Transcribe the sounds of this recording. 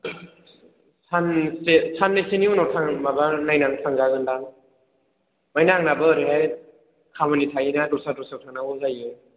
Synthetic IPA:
sʰansesʰanːajseniunɔtʰaŋmabanajnantʰaŋɡaɡɯndaŋ | majnaŋnabɯɾiɦaj | kʰamanitʰajinadusadusawtʰaŋnawɯŋzajɯj

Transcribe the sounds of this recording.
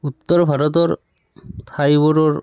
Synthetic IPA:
ut̪ːɔɾɔbʱaɾɔt̪ɔɾ | t̪ʰajbɔɾɔɾ

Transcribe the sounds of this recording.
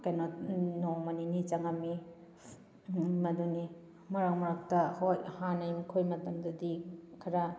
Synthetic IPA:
kenotnomɐninit͡ʃɐŋɐmi | mɐduni | mɐɾak̚mɐɾak̚tɐhojhanɐjmikʰojmɐtɐmdɐdikʰɐɾɐ

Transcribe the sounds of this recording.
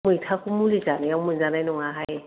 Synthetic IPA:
mujtʰakumulizanajamujzanajnɔŋaɦaj

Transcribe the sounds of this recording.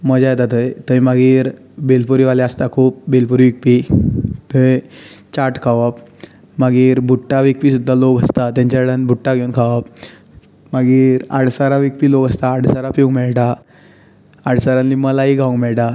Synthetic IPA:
məd͡ʑajt̪at̪əjt̪əimaɡiːɾ | belpuɾiʋalɛəst̪akʰuːp̚belpuɾiʋik̚pit̪əjt͡ɕaʈkʰaʋap | maɡiːɾbʱuʈːaʋik̚pisud̪ʱːaloɡəst̪at̪ãɲt͡ɕaɽənbʱuʈːaɡʱeunkʰaʋap | maɡiːɾa̰ɽ̤saɾaʋik̚piːloɡəst̪aːɽsaɾapiuŋmɛɭʈa | aɽ̤saɾãnliməlaɦiɡʱaũmɛɭʈa

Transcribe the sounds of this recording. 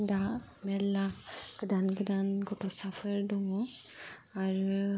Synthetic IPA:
damɛlaɡ̥ɯdanɡɯdanɡɔtɔsapʰəɹdɔŋɔ | aɹu

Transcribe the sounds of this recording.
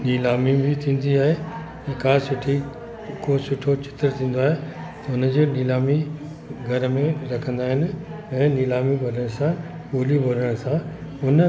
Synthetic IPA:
niːlaːmibɪt̪ʰĩːn̆d̪iaːɦe | ɛ̃ːkaːsʊʈʰi | kosʊʈʰot͡ɕʰɪ̥t̪əɾt̪ʰĩːn̆d̪oaːɦet̪ɐʊnə̆d͡ʑeːniːlaːmi | ɡʱɐɾmẽɾɐkʰə̃n̆d̪aːɦɪnɪ̆ɛ̃ːniːlaːmibʱɐɖəɽ̃sã | ɠoːlibʱoɾəɽ̃sãʊn

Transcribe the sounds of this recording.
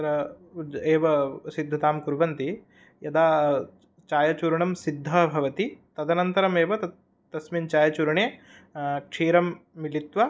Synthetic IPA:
ɐɾɐ | eːʋɐsid̪ʱːɐt̪aːmkuɾʋɐnt̪i | jɐd̪aː | t͡ʃaːjɐt͡ʃuːɾɐɳɐmsid̪ʱːɐbʱɐʋɐt̪it̪ɐd̪ɐnɐnt̪ɐɾɐmeːʋɐɐ | t̪ɐsmint͡ʃaːjɐt͡ʃuɾɐɳeː | kʂiːɾɐmːilit̪ʋɐ

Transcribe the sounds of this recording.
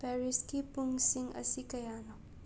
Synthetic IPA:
pɛɾiskipʊŋsiŋə̰sikɐjanɔk̚

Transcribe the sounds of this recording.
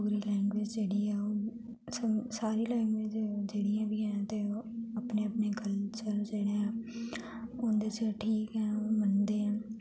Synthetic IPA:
uɡɾilɛ̃ːŋɡʋeːd͡ʒd͡ʒeːɽiɦɛːo | səsaːɾilɛ̃ːŋɡʋeːd͡ʒd͡ʒeːɽijãːbʱiːɦɛ̃t̪eəpneəpneɡʱəlt͡ʃəɾd͡ʒeːɽeɛ̃ː | ond̪et͡ʃəʈʰiːkɦɛ̃ːmənd̪eːɦɛ̃ː

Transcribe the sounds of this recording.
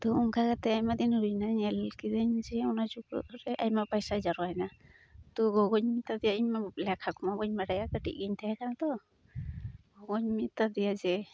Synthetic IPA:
t̪ɔɔŋkʰakat̪ɛajmad̪inɾujnaɲɛlkidaɲd͡ʒɛɔnad͡ʒukɾɔ̰ʔɾɛʔajmapajsad͡ʒaɾɔajna | t̪ɔɡɔɡɔɲmit̪ːad̪ijaiɲmalɛkʰakʰɔmabɔɲmaɖajakəʈḭʔɡiɲt̪ʰajakanat̪ɔ | ɡɔɡɔɲmit̪ːad̪ijad͡ʒɛ

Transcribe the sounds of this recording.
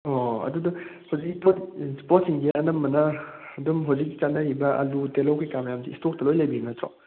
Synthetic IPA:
ɔɐ̰dudɐhawzik̚ːipotspɔt̚siŋɡiɐnɐmːɐnɐɐdumɦawzik̚ːi̥t͡ʃanːɐɾibɐʔɐ̰lutelowkikamɐjamsiːstok̚tɐlojlɐjbiŋnɐtɾɔ̰

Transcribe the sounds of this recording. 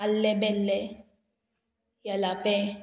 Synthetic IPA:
alːebelːe | jalape

